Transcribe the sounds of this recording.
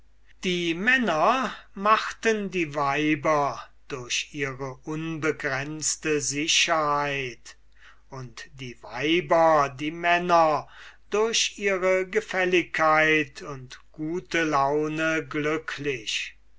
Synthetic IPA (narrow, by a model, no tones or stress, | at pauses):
d̥iːmɛnɐmaχtəndiːvaɪbɐ | d̥ʊɐɕiːʁəʔʊnbəɡʁɛnstəzɪʃɐhaɪt | ʊntd̥iːvaɪbɐdiːmɛnɐd̥ʊɐɕiːʁəɡəfɛlɪkʰːaɪtʰʊntɡ̥uːtəlaʊnəɡlʏkʰlɪʃ